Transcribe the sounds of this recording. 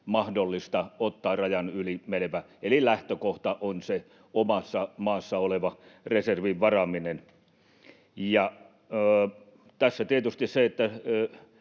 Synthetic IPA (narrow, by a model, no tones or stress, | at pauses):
mɑhdolːist̪ɑot̪ːɑːrrɑjɑnylimeleʋæ | elilæht̪økoht̪ɑʔonse | omɑsːɑmɑːsːɑoleʋɑreserʋiʋʋɑrɑminen | jɑː | t̪æsːæt̪iet̪yst̪isseet̪ːæ